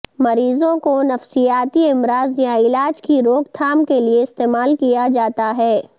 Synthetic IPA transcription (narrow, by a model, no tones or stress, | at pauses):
mɐɾiːzõkonɐfsijaːt̪iɪmɾaːzjãɪlaːd͡ʒkiɾoːɡt̪ʰaːmkelieɪst̪eːmaːlkijad͡ʒaːt̪aɦɛː